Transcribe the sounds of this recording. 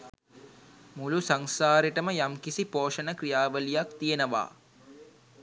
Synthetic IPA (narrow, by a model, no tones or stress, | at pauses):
mulusaŋsaːɾiʈəməjamkisipoːʃənəkrijaːʋəlijakt̪ijenəʋa̰ː